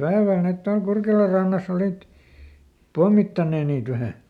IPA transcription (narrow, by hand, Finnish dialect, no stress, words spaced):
pæeʋæl net tuɑl kurkelɑr rɑnːɑs oliˑt pomːitːɑnːeː niːt ʋæhæ